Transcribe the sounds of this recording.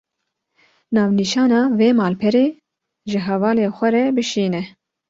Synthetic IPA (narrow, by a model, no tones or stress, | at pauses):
nɑːvniːʃɑːnɑːveːmɑːlpʰɛɾeː | ʒɨɦɛvɑːleːxʷɛɾɛbɨʃiːnɛ